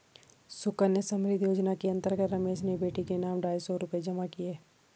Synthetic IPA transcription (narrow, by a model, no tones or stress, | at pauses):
sʊkəɾnesə̃mɾɪd̪ʱjoːd͡ʒnakiɐ̃nt̪əɾɡət̪ɾəmeːʃnebeːʈikenaːmɖaːjsɔɾʊped͡ʒɐmakijeː